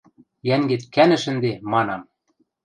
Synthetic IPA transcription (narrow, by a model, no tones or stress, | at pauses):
jæŋɡet̪kænɘ̆ʃɘ̆nd̪emɑnɑm